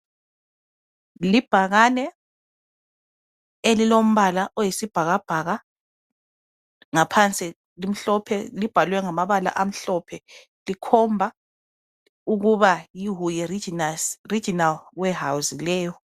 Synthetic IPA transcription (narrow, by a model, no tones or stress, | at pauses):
lib̥ʱaɣanɛ | elilom̩βalaʔɔjisib̥ʱaɣab̥ʱaɣa | ŋapʰant͡sʼi | lim̩ɬɔpʰɛlib̥ʱalwɛŋamaβala̰ʔam̩ɬɔpʰɛ | likʰɔmbʱa | uɣuβajiɦujɛ | ri̥d͡ʒ̥inalwɛɦawuzilɛːjɔ